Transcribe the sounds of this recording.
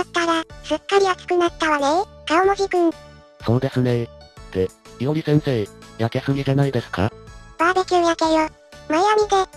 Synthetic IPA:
skaɾasɨkːaɾʲijaki̥kɯ̟nat̪ːaβaɾekaomoɡʲikɯ̟̃n | so̞ːd̪e̞sɨnet̪ejoɲisẽ̞ɰ̃se̞ːjake̞sɨɡʲisenaid̪e̞sɨ̥ka̰b̥abekʲiojakejo | majamʲid̪e

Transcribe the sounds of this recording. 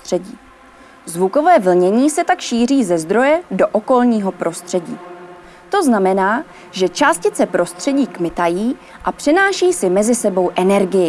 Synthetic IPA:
t̪r̝̥ɛɟiː | zvuko̞vɛːvl̩ɲɛɲiːsɛt̪akʃiːr̝iːzɛzd̪ɾo̞jɛdo̞ʔoko̞lɲiːɦo̞pɾo̞st̪r̝̥ɛɟiː | t̪o̞znamɛnaː | ʒɛt͡ʃaːscɪt͡sɛpɾo̞st̪r̥ɛɟiːkmɪt̪ajiː | ʔapr̝̥ɛnaːʃiːsɪmɛzɪsɛbo̞wʔɛnɛɾɡɪjɪ

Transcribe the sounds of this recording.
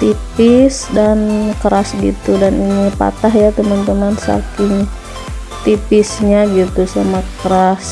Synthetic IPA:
t̪ipɪsdankəɾasɡḭt̪udaninipa̰t̪aɦjat̪əmant̪əmansa̰kɪŋ | t̪ipɪsɲaɡit̪usamakəɾas

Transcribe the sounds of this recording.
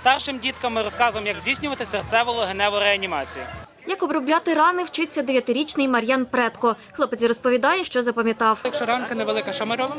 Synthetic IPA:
st̪ɑrʃɪmdʲit̪kɐmːɪɾɔskɑzʊjemjɐɡzʲdʲijsʲnʲʊʋɐt̪ɪsert̪sɛʋɔlˠɔɦenɛʋɔɾeɐnʲimɑt͡sʲiji | jɐkɔbɾɔblʲɑt̪ɪɾɑnɪwt͡ʃɪt͡sʲːɐd̪e̞ʋʲjɐt̪ɪɾʲit͡ʃnɪjmɐɾʲjɑnpɾɛt̪kɔ | xlˠɔpet͡sʲiɾɔspɔʋʲid̪ɑjɛʃt͡ʃɔzɐpɐmʲjɐt̪ɑwɐkʃt͡ʃɔɾɑnkɐneʋelˠɪkɐʃɐmeɾɔʋɐ

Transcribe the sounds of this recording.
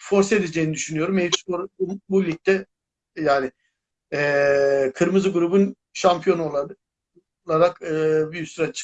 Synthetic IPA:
fo̞ɾse̞d̪ed͡ʒejnid̪yʃynyjo̞ɾumesoɾbumbulʲit̚t̪ʰːɛ | jaːnɪ | ɛːkʰɯɾmɯzɯɡuɾubun | ʃampʰijo̞nuolˠa | lˠaɾakɯbyjysyɾat͡ʃʰɯ̥

